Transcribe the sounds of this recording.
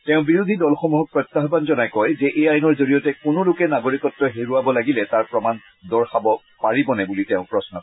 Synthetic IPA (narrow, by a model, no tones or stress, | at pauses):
tɛʊ̃biɹud̪ʱidɔlxɔmuɦɔk̚pɹɔjt̪ːaɦbanzɔnajkɔjzɛʔejajnɔɹzoɹijɔtɛkʊnʊlʊkɛnaɡoɹikɔtːɔɦeɹuabɔlaɡilɛtaɹpɹɔman | dɔɹxabɔ | paɹibɔnɛbulitɛʊ̃pɹɔsnɔ